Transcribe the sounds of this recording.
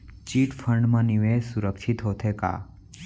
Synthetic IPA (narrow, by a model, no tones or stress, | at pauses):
t͡ʃiʈfʰəɳɖmãniʋesuɾəkʃʰit̪ɦot̪ʰeka̰